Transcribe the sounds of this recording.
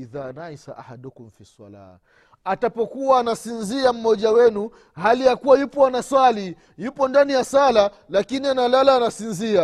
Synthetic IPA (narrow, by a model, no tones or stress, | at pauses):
iðaːnajsa̰ʔahaɗɔkum̩fiswa̰la̰ː | atapɔkuwaːnasinziam̩mɔʄawɛnu | halijakuwajupɔanaswali | jupɔndanijasala | lakinianalalaːnasinzia